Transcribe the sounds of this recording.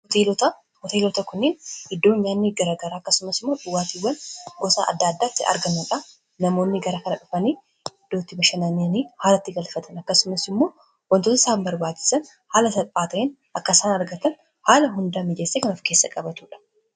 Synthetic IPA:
hɔt̪elɔt̪ɐ | hɔt̪eːlɔt̪ɐkʊnːenɪd̪ːo̞ːɲːaːnːiɡɐɾaːɡɐɾaːɐkːɐsʊmɐsɪmɐᶑʊwːaːt̪iːwːɐnɡɔsa̰ʔɐ̰d̪ːaːd̪ːaːɪt̪ːɪɐ̰ɾɡɐnːuᶑɐ | nɐmo̞ːnːɪɡɐɾɐkɐnɐᶑʊfɐniː | ɪd̪ːoːt̪ːɪbɐʃɐnɐniniːhaːlɐt̪ːɪɡɐlfɐt̪ʰɐnɐkːɐsʊmɐsɪmːo̞ː | wɐnt̪oːt̪̬ɐɪsaːmbɐɾbaːt͡ʃːɪ̥sɐn | haːlɐt̪ɐpʼːaːt̪ɐʔen | ʔɐkːɐsaːnɐɾɡɐt̪ɐn | haːlɐɦʊnd̪ɐmɪd͡ʒeːsːeːkɐnʊfke̞ːsːɐkʼɐbɐt̪uːᶑɐ̥

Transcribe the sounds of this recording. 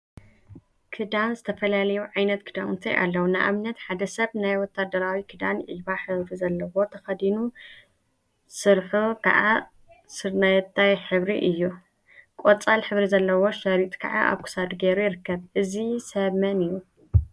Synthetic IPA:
kʰɨd̪anzɨt̪ʰɐfɐlalɐjuʕajnɐt̪kʰɨd̪amt̪ʰɐ̰jʔa̰lːɐwunɨʔa̰mnɐt̪ħad̪ɐsɐβnajwɔt̪ʰːad̪ɐɾawikʰɨd̪anʕiβaħɨβɾizɐlːɐwo̞t̪ʰɐxɐd̪inu | sɨɾħukʰa̰ʔa | sɨɾnat̪ʰːajħɨβɾiʔɨjːu | kʼot͡sʼalħɨβɾizɐlːɐwo̞ʃɐɾit̪ʼkʰaʕa̰ʔa̰βkʰu̥sad̪ɡeɾujɪɾɨkːɐβʔɨzisɐβmɐnɨjːu

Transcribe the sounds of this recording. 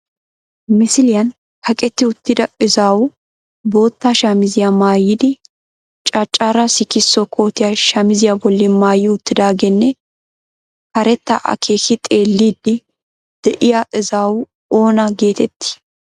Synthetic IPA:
mɪsɪlɪjɐn | hɐkʼɛt̪ːɪʊt̪ːɪd̪ɐɪzaːwʊ | bo̞ːt̪ːaːʃamɪzɪjamaːjːɪd̪ɪ | t͡ʃʼat͡ʃʼːaːɾasɪkɪsːɔkʰo̞ːt̪ɪjaʃaːmɪzɪjabɔlːɪmaːjɪʊt̪ːɪd̪aːɡɛnːɛ | hɐɾɛt̪ːa̰ʔɐ̰kʰeːkɪt̪ʼeːlːiːd̪ːɪ | d̪̥ɛʔɪjaʔɪzaːwʊ | o̞ːnɐɡe̞ːt̪ɛt̪ːɪ̥

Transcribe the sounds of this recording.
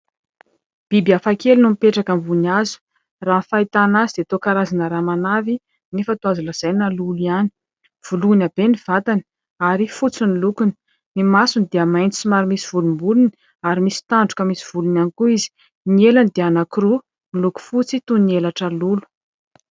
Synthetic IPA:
b̥ibiafakelinumipeʈ͡ʂakəmbuniazu̥ | raːnfait̪anazid̪eat̪okaɾazanəɾamanavi | nifat̪uazuləz̥ajnaluliani̥ | v̥ulunabeniv̥at̪ani̥ | aɾifut͡sinilukuni̥ | nimasunid̪eəmajnt͡s̪i̥simaɾimisiv̥ulumbuluni | aɾimisi̥t̪aɳɖ͡ʐu̥kəmisi̥v̥ulunanikuizi̥ | nielanid̪eanakɾu | niluku̥fut͡sit̪unielaʈ͡ʂəlulu̥

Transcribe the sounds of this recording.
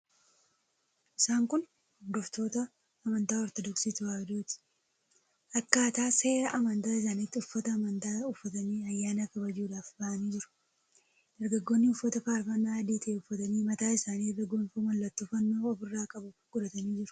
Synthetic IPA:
ʔɪsaːŋkʊn | d̪ɔft̪o̞ːt̪ɐː | mɐnt̪aːɔɾt̪ɔd̪ɔksiːt̪ʊwaːd̪uːt̪ɪ̥ | ʔɐkːaːt̪aːse̞ːɾɐʔɐmɐnt̪aːɪs̬aːnɪt̪ːɪʊfːɐt̪ɐːmɐnt̪aːʊfːɐt̪ɐniːɐjːaːnakɐbɐd͡ʒuːᶑaːfbɐʔɐniːd͡ʒɪɾʊ̥ | d̪̥ɐɾɡɐɡːoːnːɪʊfːɐt̪ɐfaːɾfɐnːaːɐd̪iːt̪ɐːʊfːɐt̪ɐniːmɐt̪aːɪsaːniːɾɡɐɡoːnfuːmɐlːɐt̪ːufɐnːoːɔfɪrːaːkʼɐbʊɡ̥ʊᶑɐt̪ɐniːd͡ʒɪɾʊ̥

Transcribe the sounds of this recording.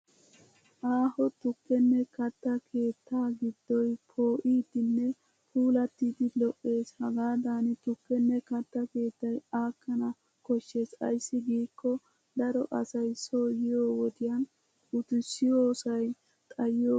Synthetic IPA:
ʔaːhɔt̪ʊpːɛnːɛkɐt̪ːɐkʰe̞ːt̪ʰːaːɡɪd̪ːɔjpʰo̞ːʔiːd̪ɪnːɛ | pʰuːlɐt̪ːid̪ɪlɔʔːe̞ːshɐɡaːd̪aːnɪt̪ʊpːɛnːɛkɐt̪ːɐke̞ːt̪ːɐjaːkːɐnɐ | kɔʃːe̞ːsɐ̰jsːɪɡiːkːɔ | d̪ɐɾɔʔɐsɐjso̞ːjɪjo̞ːwɔt̪ɪjɐn | ʊt̪ɪsːɪjoːsɐj | t̪ʼɐjoː

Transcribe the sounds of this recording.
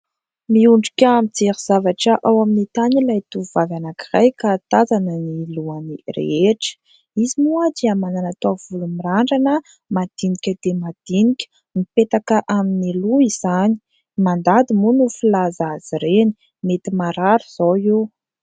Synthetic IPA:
miuɳɖ͡ʐikʲamit͡seɾiz̥avaʈ͡ʂəʔawaminit̪anilajt̪uvavanakirajkat̪azanəniluanirḛeʈ͡ʂə̥ | izimuad̪iamananat̪oav̥ulumiraɳɖ͡ʐanə | mad̪̥inikʲəd̪̥emad̪̥inikʲə̥ | mipet̪akəʔaminiluizani̥ | mand̪ad̪imunufilazaz̥iɾeni̥ | met̪imaɾaɾuz̥oe

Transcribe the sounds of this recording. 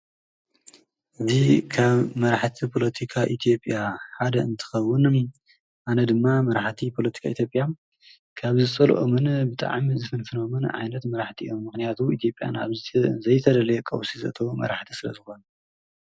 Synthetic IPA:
ʔɨzikʰaβmɐɾaħt̪ʰipʰo̞lɐt̪ʰikʰaʔit̪ʰijo̞pʼjaħad̪ɐɨnt̪ʰɨ̥xɐwːʊn | ʔanɐd̪ɨmːamɐɾaħt̪ʰipʰo̞lɐt̪ʰi̥kʰait̪ʰjo̞pʼja | kʰaβzɨt͡sʼɐl̰ʔomɨnbɨt̪ʼa̰ʕmizɨfɨnfɨnomɨnʕa̰jnɐt̪mɐɾaħt̪ʰiʔomːɨxnijat̪ʰuit̪ʰijo̞pʼːja̰na̰βzɐjt̪ʰɐd̪ɐlɐjɛkʼɐ̰wsizɐ̰ʔt̪ʰɐβumɐ̰ɾaħt̪ʰisɨlɐ̰zɨxo̞n

